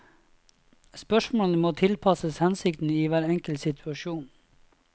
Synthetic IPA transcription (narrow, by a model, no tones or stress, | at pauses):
spœʂmoːnəmoːt̪ʰɪlpʰɑsəshɛnsɪk̚t̪n̩iːʋæːɾɛŋkəlsɪt̪ʰʉɑʃuːn